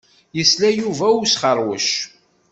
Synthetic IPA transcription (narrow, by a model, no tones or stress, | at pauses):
jəslæjuvæusχəɾˤwəʃ